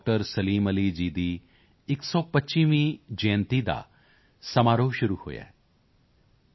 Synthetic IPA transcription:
k̚ʈəɾsɐliːmɐlid͡ʒiːd̪iː | ɪksɔːpɐtːʃiːʋĩd͡ʒẽːnt̪id̪a̰ː | sɐmaːɾoːʃʊɾuho̰ːja̰

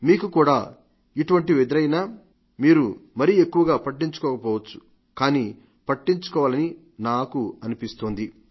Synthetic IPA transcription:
miːkukuːɽaː | iʈuʋɐɳʈiʋed̪iɾɐjnaː | miːɾumɐɾije̞kːuʋɐɡaːpɐʈːiɲt͡ʃu̥kɔːkɐpɔːʋɐt͡ʃːu̥ | kaːniː | pɐʈːiɲt͡ʃu̥kɔːʋaːlɐni | naːkuɐnipist̪oːnd̪i

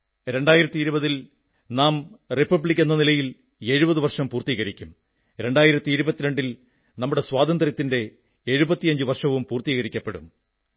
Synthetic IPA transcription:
ɾe̞ɳɖaːjiɾɐt̪ːiɾubɐðil | naːmripːɐbɭikʲːenːɐnilɐjil | e̞ːɻubɐðuʋɐrʂɐmpuːrt̪iːɣɐɾikʲːum | ɾe̞ɳɖaːjiɾɐt̪ːiiɾubɐt̪ːiɾeɳɖil | nɐmːuɽe̞swaːd̪ɐnd̪rjɐt̪ːinde̞ | eɻubɐt̪ːijɐɲd͡ʑuʋɐrʂɐʋumpuːrt̪iːɣɐɾikʲːɐpːe̞ɽṵm

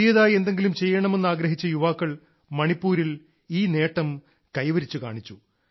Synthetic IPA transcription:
ijɐðaːje̞nd̪e̞ŋɡilumt͡ɕe̞jːɐɳɐme̞nːɨaːɡɾɐɦit͡ɕːɨjuʋaːkːɐɭ | mɐɳipːuːɾil | iːne̞ːʈːɐm | kɐjʋɐɾit͡ɕːukaːɳit͡ɕːu

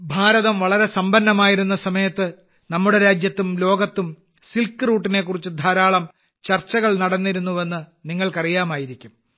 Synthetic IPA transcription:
bʱaːɾɐðɐmʋɐɭɐɾe̞sɐmbɐnːɐmaːjiɾunːɐsɐmɐjɐt̪ːɨ | nɐmːuɽe̞ɾaːd͡ʑjɐt̪ːumlo̞ːɡɐt̪ːum | silkːɨruːʈːine̞kːurit͡ɕːɨd̪ʱɐːɾaːɭɐm | t͡ɕɐrt͡ɕːɐɣɐɭnɐɽɐnːiɾunːuʋe̞nːɨniŋːɐɭkɐrijaːmaːjiɾikʲːum

